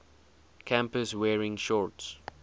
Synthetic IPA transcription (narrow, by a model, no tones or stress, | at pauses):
kʰãmpəswɛːɹɪ̃ŋʃɔɹts